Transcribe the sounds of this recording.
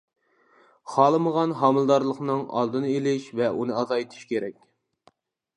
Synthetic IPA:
χɑːlˠɨməʁɑnɦɑmɨlˠd̪ɑɾlˠəχnɨŋɑ̰lˠd̪ɨnɨelɪʃvɛunɨɑzɑjt̪ʰi̥ʃkʲeɾɛkʲ

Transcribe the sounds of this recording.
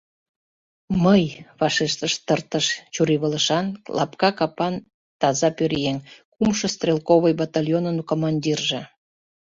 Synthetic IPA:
məjβɑʃiʃt̪əʃt̪ərt̪əʃt͡ɕuɾiβələʃɑnlʔɑ̰pkɑkɑpɑn | t̪ɑzɑpøɾjeŋkumʃɤst̪rʲelkoβəjbɑt̪ɑlʲjonənkomɑnʲdʲirʒĕ

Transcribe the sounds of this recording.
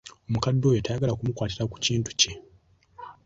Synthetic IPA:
o̞mukadːo̞jetajaɡalakumukwaːtiɾaku̥ciːntu̥ce

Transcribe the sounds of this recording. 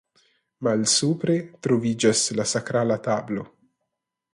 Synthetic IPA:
malsuːpɾet̪ɾovid͡ʒaslasakɾaːlat̪aːblo

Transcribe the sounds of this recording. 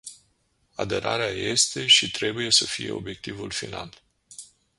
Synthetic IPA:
ad̪e̞ɾa̰ɾeaje̞st̪e̞ʃit̪ɾe̞buje̞səfije̞̰o̞̰bje̞k̚t̪ivulfinal

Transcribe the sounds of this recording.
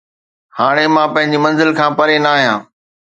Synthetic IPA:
haːɽ̃emãːpɐ̃ɦɪ̃ɲd͡ʑimɐ̃nzɪlkʰãːpɐɾenaaːɦjãː

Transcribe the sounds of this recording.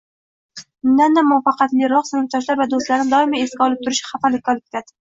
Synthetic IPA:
mɪnːanːamːʊfɑqɑt̪lɪɾɒχsɪnɪp̚t̪ʰɒʃ̬laɾvad̪ost̪laɾnɪd̪ɒɪmae̞skʲaɒlˠɪp̚t̪ʰʊɾɪʃχafalɪkʲːaɒlɪp̚ʲe̥t̪ʰad̪ɪ̥

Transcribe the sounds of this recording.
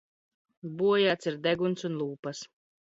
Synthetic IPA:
buɔjaːt̪siɾd̪ɛɡunsunlˠuːpas

